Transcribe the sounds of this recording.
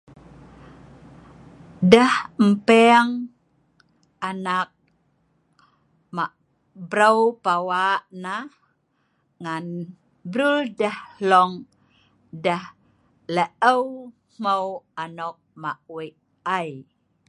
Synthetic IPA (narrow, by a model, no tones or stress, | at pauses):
dəhm̩pɛŋ | anak̚ | maʔ | bɾəwpawaʔna | ŋan | bɾuldəhlɔŋ | dəh | ləʔəw | m̥əwanɔk̚maʔwiʔ | aj